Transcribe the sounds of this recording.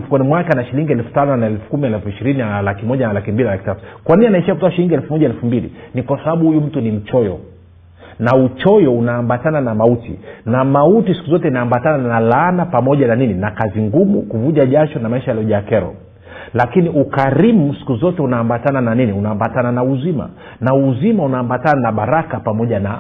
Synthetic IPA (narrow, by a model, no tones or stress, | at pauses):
fu̥kwanimwakanaʃiliŋɡiɛlfu̥tanɔnaɛlfu̥kumiɛlfuiʃiɾininalakimɔʄanalakimbilinalakitatu̥kwaninianaɛʃiakutɔaʃiliŋɡiɛlfumɔʄaɛlfumbilḭnikwasaɓaɓuhujum̩tunim̩t͡ʃɔjɔ̰ | naut͡ʃɔjɔunaːmbatananamautḭnamautisi̥kuzɔtɛinaːmbatananalanapamɔʄananininakaziŋɡumukuvuʄaʄat͡ʃɔnamaiʃajalɔʄakɛɾɔ̰ | lakiniʔukaɾimusi̥kuzɔtɛunaːmbatanananiniunaːmbatananauzima̰ | nauzimaunaːmbatananaɓaɾakapamɔʄana